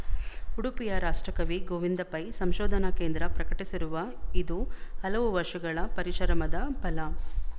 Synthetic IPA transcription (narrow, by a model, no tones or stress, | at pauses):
uɽupijɐɾaːʂʈɾɐkɐʋiɡoːʋind̪ɐpɐjsɐmʃɔːd̪ʱɐnɐkeːnd̪ɾɐpɾɐkɐʈisiɾuʋɐid̪uhɐlɐʋuʋɐɾʂɐɡɐɭɐpɐɾiʃɐɾɐmɐd̪ɐpɐlɐ